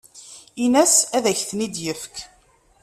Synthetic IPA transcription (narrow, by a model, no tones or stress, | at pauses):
inæsæðæçθnid̪jəfk